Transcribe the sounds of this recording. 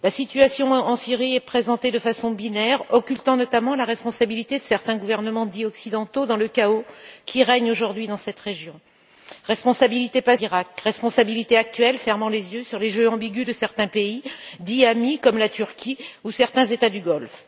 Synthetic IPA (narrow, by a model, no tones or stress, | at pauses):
lasit̪yasjɔ̃ɑ̃siʁiɛpχezɑ̃t̪ed̪əfasɔ̃binɛʁɔkʲylt̪ɑ̃nɔt̪amɑ̃laʁɛspɔ̃sabilit̪ed̪əsɛʁt̪ɛ̃ɡuvɛʁnəmɑ̃d̪iɔksid̪ɑ̃t̪od̪ɑ̃ləkaokʲʰiʁɛɲoʒuʁd̪ɥid̪ɑ̃sɛt̪ʁeʒjɔ̃ | ʁɛspɔ̃sabilit̪epaiʁakʁɛspɔ̃sabilit̪eak̚t̪ɥɛlfɛʁmɑ̃lezjøsyʁleʒøɑ̃biɡʲyd̪əsɛʁt̪ɛ̃peid̪iamikɔmlat̪yʁkʲiusɛʁt̪ɛ̃zet̪ad̪yɡɔlf